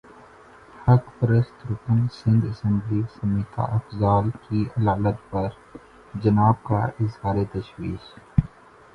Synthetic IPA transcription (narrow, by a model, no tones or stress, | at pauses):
hɐkpɾəst̪ɾʊkənsɪ̃nd̪ɐsɛ̃mblisɐmiːt̪ʰa̰ʔɐfzaːlkiɐlaːlət̪̚pɐɾ | d͡ʒɐnaːb̚ka̰ʔɪzhaːɾet̪ɐʃwiːʃ